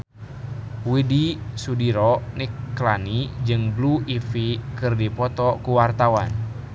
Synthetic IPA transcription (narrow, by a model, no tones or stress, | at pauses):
widisudiɾɔnikːlanid͡ʒɨŋbluifikɨrdipɔt̪ɔkuwart̪awan